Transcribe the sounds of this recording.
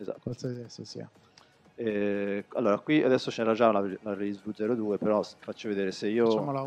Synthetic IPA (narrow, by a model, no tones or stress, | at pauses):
eza̰alsad̪ɛsosḭa̰ | ɛalːoːɾakwiad̪ɛsːot͡ʃenɛɾad͡ʒalalareizvud̪zɛːɾod̪uːepeɾɔsfat͡ʃːoved̪eːɾeseiːola